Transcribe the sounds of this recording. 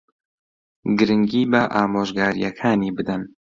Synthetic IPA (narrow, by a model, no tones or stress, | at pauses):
ɡɨɾɨŋɡiːbɐʔaːmoːʒɡaːɾijakʰaːniːbɨd̪ɐn